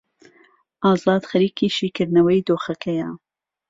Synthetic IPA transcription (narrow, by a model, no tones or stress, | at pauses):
ʔɑːzɑːd̪xɐɾiːkiːʃiːkɨɾnɐwɐjd̪oːxɐkʰɐja